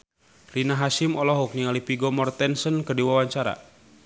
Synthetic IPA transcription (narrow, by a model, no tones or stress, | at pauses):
rinaɦasimɔlɔɦuk̚niŋalipiɡɔmɔrt̪ɛnsənkərdiwawaɲt͡ʃaɾa̰